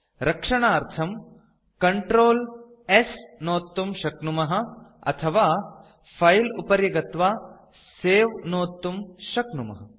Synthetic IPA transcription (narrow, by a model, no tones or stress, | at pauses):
ɾʔɐkʂɐɳaːɾt̪ʰɐm | kɐɳʈɾoːl | esnoːt̪ːumʃɐknumɐɦɐ̆ɐ̰t̪ʰɐʋaː | pʰɐjlupɐɾjɐɡɐt̪ʋaː | seːʋnoːt̪ːumʃɐknumɐ̰ɦɐ